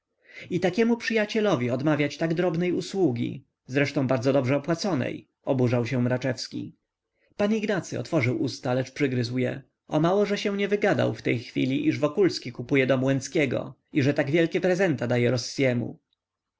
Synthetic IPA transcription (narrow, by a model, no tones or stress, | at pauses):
it̪akʲɛmupʂɘjat͡ɕɛlɔvʲiɔd̪mavʲjat͡ɕt̪aɡd̪ɾɔbnɛjuswuɡʲḭ | zɾɛʂt̪ɔ̃w̃baɾdzɔd̪ɔbʐɛɔpwat̪sɔnɛ̰j | ɔbuʐawɕɛ̃mɾat͡ʂɛfskʲḭ | paɲiɡnat̪sɘɔ̰t̪fɔʐɘwʔust̪alɛt͡ʂpʂɘɡɾɘzwjɛ̰ | ɔmawɔʐɛɕɛ̃ɲɛvɘɡad̪a̰wft̪ɛjxfʲḭlʲiʔiʐvɔkulskʲikupujɛd̪ɔmwɛnskʲɛɡɔ̰ | iʐɛt̪aɡvʲjɛlkʲɛpɾɛzɛnt̪ad̪ajɛɾɔsːjɛmṵ